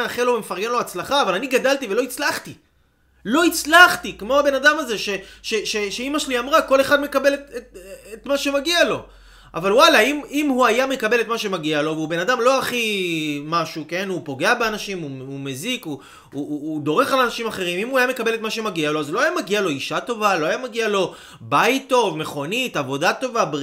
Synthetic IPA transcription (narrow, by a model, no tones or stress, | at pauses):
aχelo̞vemefaʁɡe̞nlo̞at͡slaχaːvalaniɡadaltive̞lo̞it͡slaχti | lo̞it͡slaχtikmo̞abe̞nadamaze̞ʃe̞ʃe̞ʃe̞ʃeimaʃeliamʁako̞le̞χad̪me̞kabe̞letetet̪maʃe̞maɡialo̞ | a̰valwalaimimhuajame̞kabele̞tmaʃe̞maɡialo̞veube̞nadamlo̞aχimaʃuke̞nhupo̞ɡe̞abeanaʃimuume̞ziku | uːd̪o̞ʁe̞χalanaʃimaχe̞ʁimimuajame̞kabele̞t̪maʃe̞maɡialo̞azulo̞ajamaɡialo̞iʃato̞valo̞ajamaɡialo̞ | bajttːo̞vme̞χo̞nitavo̞dato̞vab